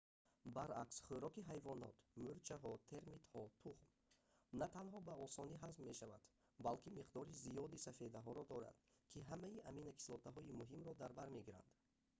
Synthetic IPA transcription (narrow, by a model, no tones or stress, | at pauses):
baɾaksχøɾɔkiɦajvɔnɔ̰t̪muɾt͡ʃʰaɦɔt̪ʰe̞ɾmit̪hɔt̪ʰuχm | nat̪ʰanɦɔbaɔsɔniɦazbːe̞ʃava̰d̪̥ | balkimiqd̪ɔɾizijɔd̪isafe̞d̪aɦɔɾɔd̪ɔɾa̰d̪̥kʰiɦamaiʔaminakʰi̥slɔt̪ʰaɦɔimuɦimɾɔd̪aɾbaɾme̞ɡiɾa̰nd̪̥